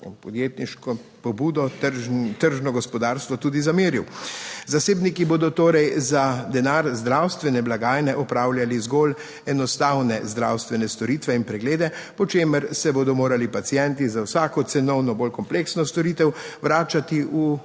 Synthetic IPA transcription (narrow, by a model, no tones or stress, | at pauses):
pɔd̪jet̪niʃkɔpɔbuːd̪ɔt̪əɾʒnɔɡɔspɔd̪aːɾst̪ʋɔt̪uːd̪izameːɾiwzaseːbnikiboːd̪ɔt̪oːɾɛjzad̪ɛnaːɾzd̪ɾawst̪ʋɛnɛblaɡaːjnɛʔɔpɾaːwljalizɡol | ɛnɔst̪awnɛzd̪ɾa̰wst̪ʋɛnɛst̪ɔɾiːt̪ʋɛinpɾɛɡleːd̪ɛpɔt͡ʃeːməɾsɛbod̪ɔmoːɾalipat̪sijɛnt̪izawsakɔt̪sɛnɔwnɔbolkɔmpleksnɔst̪ɔɾit̪ɛwʋɾaːt͡ʃat̪iʔu